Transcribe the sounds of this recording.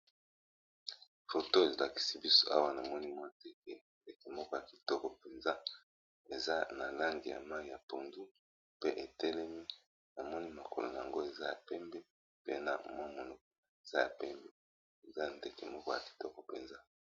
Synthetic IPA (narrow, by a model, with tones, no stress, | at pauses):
fo˨to˦e˨zla˨ki̥˨si˦bi˦so̥˦ʔa˦wa˦na˨mɔ˦ni˦mwa˦˨te˨ke˨nde˨ke˨mɔ˦kɔ˦ja˨ki̥˨tɔ˦kɔ˨pe˨nza˦ | e˨za˦na˨la˦ŋɡi˨ja̰˨ma˦i˨ja̰˨po˨ndu˦ | pe˦ʔe˨tɛ˦lɛ˦mi˦ | na˨mɔ˦ni˦ma˨ko̰˨lo̰˨na˨a̰˨ŋɡo˦e˨za˦ja̰˨pɛ˦mbe˦ | pe˦na̰˨mwa˦mo˨lɔ˦k̚ɔ˦˨e˨z̥a˦ja̰˨pɛ˦mbe˦ | e˨za˦˨nde˨ke˨mɔ˦kɔ˦˨ja˨ki̥˨tɔ˦kɔ˨pe˨nza˦